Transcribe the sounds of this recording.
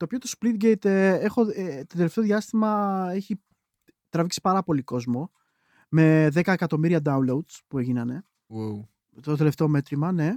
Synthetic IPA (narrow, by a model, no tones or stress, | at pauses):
t̪oːpiot̪ospɾit̪̚ɡejt̪eexo̞et̪od̪eleft̪eoðʝiɐst̪imɐe̞çi | t̪ɾɐviksi̥pɐɾɐpo̞liko̞zmo̞ | me̞ðe̞kɐekɐt̪o̞miɾiɐd̪ɐunloud̪spueʝinɐne̞ | w | t̪o̞t̪e̞le̞ft̪e̞o̞me̞t̪ɾimɐne